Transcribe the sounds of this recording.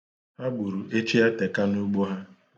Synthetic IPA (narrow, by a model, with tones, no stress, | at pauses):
ha˦ɡ͡bu˨ɾu˨ʔe˦t͡ʃi˦a˦te˨ka˦nu˦ɡ͡bo˦ɦa˦